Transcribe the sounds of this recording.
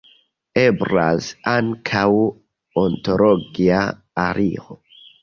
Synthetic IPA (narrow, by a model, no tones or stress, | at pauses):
ebɾalsaŋkʰaw | ontoɾoɡia | aɾiʁo